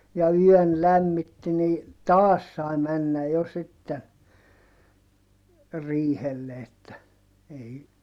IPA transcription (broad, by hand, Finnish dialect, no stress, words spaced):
jɑ yœˑn læmːitːi ni tɑːs sɑi mænːæ jo sitːen riːhelːe etːæ ei